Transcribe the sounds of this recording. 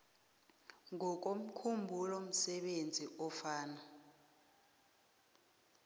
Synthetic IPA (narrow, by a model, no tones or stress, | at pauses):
ŋɔk̬om̩kʰumbʱulɔm̩sɛɓend͡zʱiʔɔfaːna